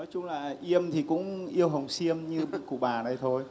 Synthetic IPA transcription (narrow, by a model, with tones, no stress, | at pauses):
nɔ˨˦jt͡ɕʊ˧ŋ͡mlaː˨˩ʔi˧əmt̪ʰi˨˩kʊ̰˧˥ŋ͡mʔi˧əwɦə˨˩wŋ͡msi˧əmɲɨ˧˨kṵ˧˩ɓaː˨˩na˨˩jt̪ʰo˧j